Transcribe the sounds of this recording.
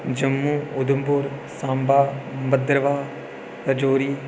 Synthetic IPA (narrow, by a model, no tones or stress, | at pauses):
d͡ʒəmːuːʊd̪əmpʊɾsãːmbaːbəd̪ɾəʋaː | t̪ɐd͡ʒoːɾiː